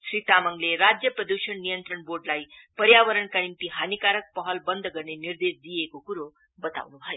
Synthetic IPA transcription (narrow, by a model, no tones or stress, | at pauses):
ɕɾiːt̪aməŋɡleɾad͡zjəpɾəd̪uɕəɳnijənt̪ɾəɳboɾɖlajpəɾjaʋəɾəɳkaɽinp̪iɦanikaɾək̚pəɦəlbənd̪ʱɡəɾɳeniɾd̪esd̪ijekokuɾo | bət̪a̰ʋnubʱaje